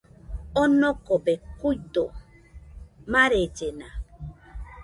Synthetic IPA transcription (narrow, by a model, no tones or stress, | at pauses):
onokobekujd̪o̰ | maɾed͡ʒena